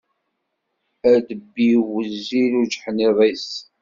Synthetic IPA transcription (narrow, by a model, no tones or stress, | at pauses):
æd̪əbːiwəzːiɾud͡ʒħniðˤis